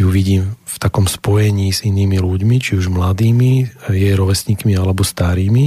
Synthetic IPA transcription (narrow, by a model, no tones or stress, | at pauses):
juʋiɟiːmft̪akɔmspɔjɛɲiːziniːmiluɟmit͡ʃiuʒmlad̪iːmijɛjɾɔʋɛsɲikmialɛbɔst̪aɾiːmi